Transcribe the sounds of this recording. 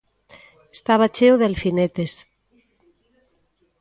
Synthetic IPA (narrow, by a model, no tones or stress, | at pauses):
est̪aβat͡ʃewðelfinet̪es